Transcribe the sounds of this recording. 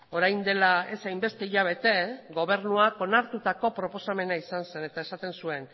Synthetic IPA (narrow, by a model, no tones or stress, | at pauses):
o̞ɾajnd̪e̞lae̞sajmbe̞st̪e̞iʎaβ̞e̞t̪e̞ɣo̞β̞e̞ɾnuako̞naɾt̪ut̪ako̞pɾo̞po̞same̞naisanse̞ne̞t̪aesat̪e̞nsue̞n